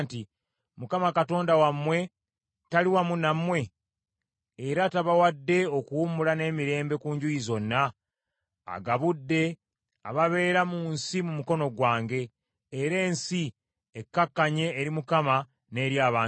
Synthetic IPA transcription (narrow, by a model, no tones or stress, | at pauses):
nti | mukamakato̞ːndawamwe̞ | taliwamunamwe̞ | ɾataβawadːe̞o̞kuwumulane̞ːmiɾe̞ːmbe̞kuːɲɟujizo̞nːa̰ː | ɡaβudːe̞ | a̰βaβe̞ːɾamunsimumuko̞no̞ɡwaːŋɡe̞ː | ɾe̞ːnsi | ekːakːaɲe̞ːɾimukama | ne̞ːɾjaːβaː